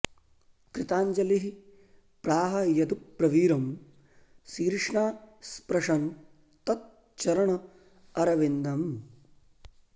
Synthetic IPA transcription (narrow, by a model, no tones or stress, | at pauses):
kɾit̪aːɲd͡ʒɐliɦi | pɾaːɦɐjɐd̪upɾɐʋiːɾɐm | siːɾʂɳaːspɾɐʂɐn | t̪ɐt̪̚ | t͡ʃɐɾɐɳɐ | ɐɾɐʋind̪ɐm